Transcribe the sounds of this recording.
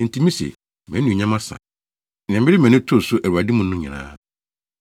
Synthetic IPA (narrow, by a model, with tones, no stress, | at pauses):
n̩˨tʰi˨˦mĩ˦sḛ˨ | mɛ̃˨˦ũ˨ɲã˦mã˦sã̰˨ | n˨ã˨mbɪ˦ɾɪ˦mɛ̃˨nɪ̃˦tʰʊ˦˨sʊ˦ʔæ˨ɾu˨a˨di˦mũ˦nʊ̃˦ɲĩ˨nã̰ː˦